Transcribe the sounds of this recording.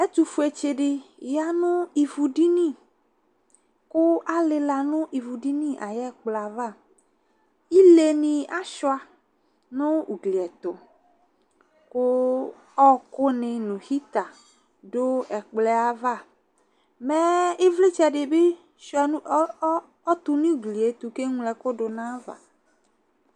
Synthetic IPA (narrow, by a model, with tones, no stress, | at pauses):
e˦t̪u˨fu˨e˨t͡ʃe˨ɖɪ˨ja˦nʊ̃˦i˨vu˨ɖi˦nĩ˦˨ | kʊ˦ʔa˦lɪ˨la˨nʊ̃˦ʔi˨vu˨ɖi˦nĩ˦ʔa˨jɛ˦˨k͡pla˨va˦˨ | i˦le˨nĩ˨a˦ʃɔ˦a˨ | nʊ̃˦u˨ɡli˨ɛ˨t̪ʊ˨ | kʊ˦ | ɔ˦kʊ˦nɪ̃˨nũ˨xi˦t̪a˨ | ɖʊ˦ɛ˨k͡plɛ˦a˨va˦˨ | mɛ˦e˦vle˦t͡ʃɛ˨ɖɪ˨be˦ | ʃo˦ɛ˨˦ | ɔ˦t̪u˦nĩ˦u˨ɡli˨e˨t̪u˨ke˦ŋũ˦lɛ˨ko˦ɖʊ˨nã˦va̰˨